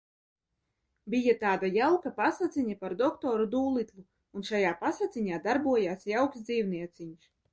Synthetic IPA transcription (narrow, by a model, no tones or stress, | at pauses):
bijat̪aːd̪ajawkapasat̪sʲiɲapaɾd̪ɔkt̪ɔːɾud̪uːlˠit̪lu | unʃajaːpasat̪siɲaːd̪aɾbuɔjaːsjawksd̪ziːwniɛt̪siɲs